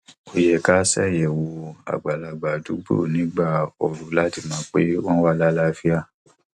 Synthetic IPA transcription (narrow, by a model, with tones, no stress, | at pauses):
o˧jɛ˨ka˦sɛ˦˨jɛ˨wo˧a̰˨ɡ͡ba˨la˨˧ɡ͡ba˨du˨˦bo̰˦˨nĩ˨˦ɡ͡ba˦˨ɔ˨ɾu˨˦la˦ti˦˨mãː˨˦k͡pe˦wɔ̃˦wa˦˨la˦la˦fi˦a˦˨